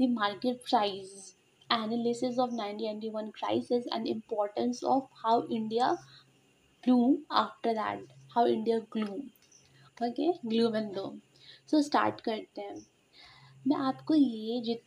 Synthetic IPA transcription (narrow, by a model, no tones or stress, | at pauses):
d̪imaːɾkeʈ̚pɾaɪs | ænəlɪsɪsɔːʋnãɪ̃ɳʈinãɪ̃ʈiʋɐ̃nkɾa̰ɪsɪsɛ̰̃ɳɖɪ̃mpɔːɾʈə̃nsɔ̰ːfhaʊʔɪ̃ɳɖija | ɡ̥luːma̰ːfʈəɾd̪æ̰ʈ̚haʊɪ̃ɳɖijaɡluːm | okeɡluːmɛ̃nd̪oː | soːsʈa̰ːɾʈkɐɾt̪eɦɛ̃ | mɛ̰̃ʔaːpkojed͡ʒɪt̪